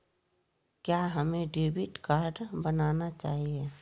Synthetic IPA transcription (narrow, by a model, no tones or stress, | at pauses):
kjaɦəmẽɖebɪʈkaːɾɖbənaːnat͡ʃaːɦie